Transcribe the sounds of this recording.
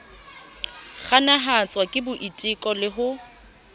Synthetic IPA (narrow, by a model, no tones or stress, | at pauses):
χanaɦat͡sʼwakʼɪbʊʔitʼɪkʼɔlɪɦʊ